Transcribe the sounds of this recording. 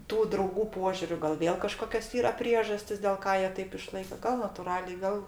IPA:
ˈtuː drɐʊˈɡuː ˈpoːʒʲuːrʲʊ ˈɡɐlˠ ˈʋʲeːlˠ kɐˈʃkoːkʲoːs ˈiːrɐ ˈpʲrʲiɛʒɐsʲtʲɪs dʲeːlˠ ˈkɑː ˈjiɛ ˈtɐɪp ɪˈʃlˠɐɪkɐ ɡɐlˠ nɐtʊˈrɑːlʲɛɪ ˈɡɐlˠ

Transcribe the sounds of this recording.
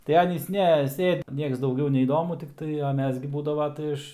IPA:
tɐɪ ˈɑːnʲiːs ˈnʲɛ ˈsʲeːt ˈnʲiɛks dɐʊˈɡʲɛʊ nʲɛiːˈdoːmʊ tʲɪkˈtɐɪ ɐ ˈmʲɛs ɡʲɪ ˈbuːdɐʋoː tɐɪ ˈɪʃ

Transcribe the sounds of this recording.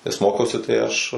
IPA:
nʲɛs ˈmoːkʲɛʊsʲɪ tɐɪ ˈɐʃ

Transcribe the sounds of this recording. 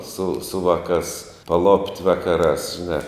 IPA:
sʊ sʊ ˈʋɑːˌkɑːs pɐˈlˠoːpʲtʲ ˈʋɑːkɐˌrɑːs ʒʲɪˈnɑː

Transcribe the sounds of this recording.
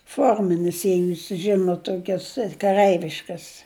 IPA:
ˈfoːrʲmʲɪnʲɪs ˈjɛɪ ˈjuːs ˈʒʲɪnʊt ˈtoːkʲɛs kɐˈrɜɪʋʲɪʃkɐs

